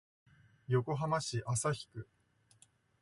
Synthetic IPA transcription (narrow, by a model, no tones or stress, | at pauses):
jo̞ko̞ɦamaɕiʔasaçi̥kɯ̟